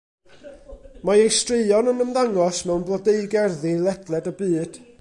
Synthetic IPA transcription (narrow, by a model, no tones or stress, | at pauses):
maejstrɪɨɔnənəmðaŋɔsmɛwnblˠɔdeɨɡɛrðilˠɛdlˠɛdəbɨːd̥